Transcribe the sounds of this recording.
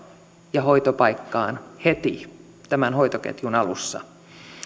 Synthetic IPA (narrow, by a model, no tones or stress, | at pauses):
jɑɦoit̪opɑjkːɑːnhet̪i | t̪æmænhoit̪okḛt̪junɑlṵsːɑ̰